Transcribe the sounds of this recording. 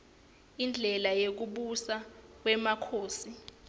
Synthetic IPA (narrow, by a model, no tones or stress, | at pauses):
ind͡ɮʱɛlajek̬uɓusak̬wɛmakʰoːsi